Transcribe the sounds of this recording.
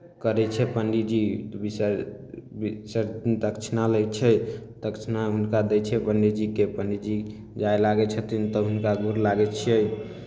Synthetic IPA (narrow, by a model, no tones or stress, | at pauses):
kəɾɛt͡ʃʰɛpənɖid͡ʒibisəɾbisəɾt̪int̪əkt͡ʃʰnaləjt͡ʃʰɛt̪əkt͡ʃʰnaɦunkad̪ɛjt͡ʃʰɛpənɖid͡ʒikepənɖid͡ʒi | d͡ʒajlaɡɛt͡ʃʰət̪int̪əɦunkaɡuɾlaɡɛt͡ʃʰiɛj